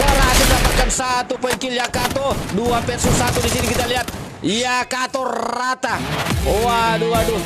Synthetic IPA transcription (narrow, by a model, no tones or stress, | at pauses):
baɾasidapat̪̚kansat̪upəikiljakat̪ɔduapɛsusat̪udisinikit̪aliɦat̪̚ | iakat̪ɔrat̪aowaduadu